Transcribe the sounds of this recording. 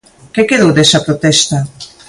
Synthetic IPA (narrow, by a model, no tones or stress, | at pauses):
kekeðowd̪ɛsɐpɾot̪ɛst̪a